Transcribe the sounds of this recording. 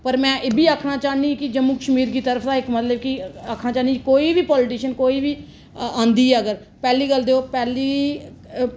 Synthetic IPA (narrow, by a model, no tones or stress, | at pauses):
pəɾmɛ̃ːʔebiːaːkʰnaːt͡ʃaːniːkɪd͡ʒəmuːkəʃmiːɾkiːt̪əɾəfʰd̪aːɪkmət̪ləb̚kɪakʰnaːt͡ʃaːnikoːiːʋiːpɔːlʈiːʃənkoːiːʋiː | ãːnd̪iːɦɛːəɡəɾ | pɛːliːɡəld̪eːoːpɛːliː